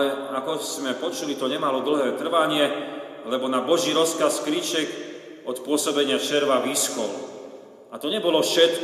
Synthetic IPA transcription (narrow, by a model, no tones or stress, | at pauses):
ɛakɔz̥mɛpɔt͡ʃulit̪ɔɲɛmalɔd̪l̩ɦɛːt̪r̩ʋaɲɪɛ | lɛbɔnabɔʒiːɾɔskaskɾiːt͡ʃɛk | ɔt̪pʊɔsɔbɛɲɪaʃɛɾʋaʋiːskɔlṵ | at̪ɔɲɛbɔlɔfʃɛt̪k